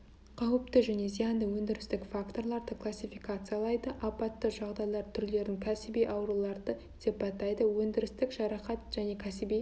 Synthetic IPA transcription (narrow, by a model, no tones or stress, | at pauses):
qʰɑwəp̚t̪əʒæne̞zijɑnd̪əwɵnd̪ɪɾɪst̪ɪkfakt̪o̞ɾlˠɑɾd̪əkʰlˠasʲifijkat̪sɨjalˠɑjd̪əʔɑpɑt̪ːəʒɑʁd̪ɑjlˠɑɾt̪ʰʏɾle̞ɾɪŋkʲʰæsɪbijʔɑwɾulˠɑɾd̪ə | d̪̥e̞pɑt̪ːɑjd̪əwɵnd̪ɪɾɪst̪ɪkʒɑɾɑqɑt̪ʒ̥æne̞kʲʰæsɪbi